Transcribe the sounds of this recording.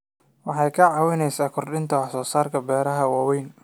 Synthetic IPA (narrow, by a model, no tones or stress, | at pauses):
wɑħɑjkʰɐʕɑːwɪnɛjsaːkʰɔrɗɪnt̪ʰɐwɑħsɔːsaːrkʰɐbɛːɾɐɦɐwɑːwɛjn